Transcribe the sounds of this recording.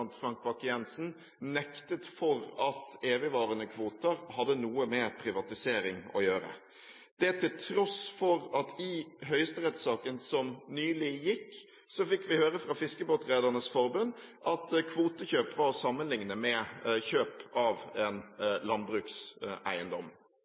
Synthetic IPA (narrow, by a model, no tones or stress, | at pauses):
nt̪fɾɑŋkʋɑkɪjɛnsn | nɛkt̪ət̪fɔɾɑt̪eːʋɪʋɑːɾənəkʰʋuːt̪əɾhɑd̪ːənuːəmɛpʰɾɪʋɑt̪ɪseːɾɪŋɔ̰jøːɾə̰ | d̪̥ɛt̪ʰɪlt̪ʰɾɔsfɔɾɑt̪ʰɪɦœʏəst̪əʁɛt̪sɑːkənsɔmnyːlɪjɪkː | sɔfɪkːʋɪhøːɾəfɾɑfɪskəboːt̪ɾæːd̪əʁnəsfɔɾbʉnʔɑt̪kʰʋuːt̪əçøːpʋɑɾɔsɑmːənlɪŋnəmɛçøːpɑʋɛnlɑnbɾʉːksæ̰ɪənd̪ɔm